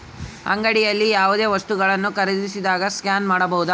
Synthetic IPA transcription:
ɐ̰ŋɡɐɽijɐlːijaːʋud̪e̞ːʋɐst̪uɡɐɭɐnːukɐɾɐd̪isid̪aːɡɐskjaːnmaːɽɐbɐɦud̪ɐ

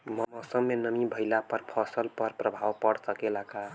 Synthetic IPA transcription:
mʌmʌsəmːenəmibʱəjlapəɾpʰɔsəlpəɾpɾəbʱawpəɽsəkelaka

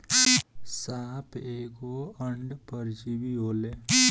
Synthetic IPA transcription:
saːpʰeːkoəɳɖpəɾd͡ʒibiɦoːle

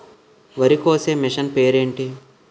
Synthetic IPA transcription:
ʋɐɾikoːseːmiʂɐnpeːɾeːɳʈi

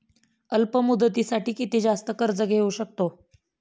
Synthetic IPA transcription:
əlpəmud̪ət̪isaʈiːkit̪id͡zast̪əkəɾt͡səɡʱeuɕək̚t̪o

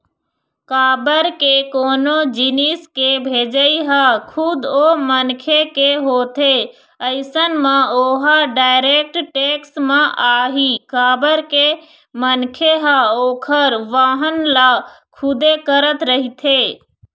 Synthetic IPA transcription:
kaːbəɾkekoːnod͡ʒiniskebʱed͡ʒəiɦakʰud̪omənkʰekeɦot̪ʰe | əɪsənmeoɦaɖaːɪɾek̚ʈʈeksmẽʔaːɦikaːbəɾke | mənkʰeɦaoːkʰəɾʋaɦənlakʰud̪ekəɾət̪ɾəɦit̪ʰe

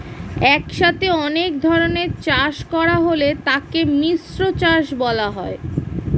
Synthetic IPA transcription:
ɛkʃat̪eɔnek̚d̪ʱɔɾoneɾt͡ɕaʃkɔɾaɦolet̪akemisɾot͡ɕaʃbɔlaɦɔe

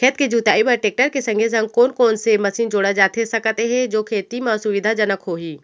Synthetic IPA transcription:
kʰeːt̪ked͡ʒuːt̪aːibɐɾʈeːk̚ʈəɾkesɐ̃ŋɡʱezɐ̃ŋɡ̚koːnkoːnsemɐsiːnd͡ʒoːɽad͡ʒaːt̪esɐkt̪eɦɛ̃d͡ʒoːkʰeːt̪imãsʊʋɪd̪ʱad͡ʒɐnəkɦoːɦiː

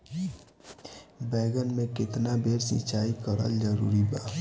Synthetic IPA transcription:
bɛːɡənmẽkɪt̪nabʱeːɾsɪ̰̃t͡ʃaːikəɾə̰ld͡ʒəɾṵːɾibaː

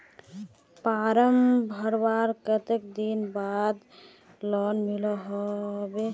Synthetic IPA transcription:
paɾəmbʱəɾbaɾkət̪ekd̪inbad̪ | lɔnmilɔɦɔbe

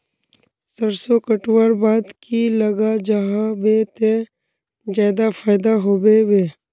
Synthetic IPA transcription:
səɾsokəʈwəɾbaːd̪kiləɡad͡ʒaɦabet̪e | d͡ʒjaːd̪afaːɪd̪aɦoːbeweː

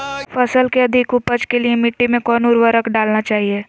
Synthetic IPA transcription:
fɐsəlkeɐd̪ʱɪkʊpəd͡ʒkeliemɪʈːimẽkɔːnʊɾʋəɾəkɖaːlnat͡ʃaːɦieː

